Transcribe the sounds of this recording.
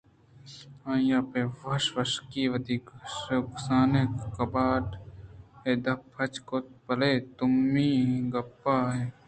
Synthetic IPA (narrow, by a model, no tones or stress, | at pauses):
ãːjãːpeːʋɐʃʋɐʃkiːʋɐd̪iːkksaːneːkɐbaːʈ | eːd̪ɐpʰɐt͡ʃkoːt̪̚pɐleːt̪ʊmːiːɡɐpːaːɦeː